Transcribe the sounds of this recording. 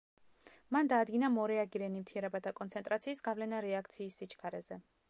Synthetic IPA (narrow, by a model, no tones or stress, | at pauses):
mand̪aːd̪ɡinamɔɾɛaɡiɾɛnimt̪ʰiɾɛbat̪ʰakʼɔnt̪sʰɛnt̪ʼɾat̪sʰiːsɡavlɛnaɾɛakʰt̪sʰiːsːit͡ʃʰkʰaɾɛzɛ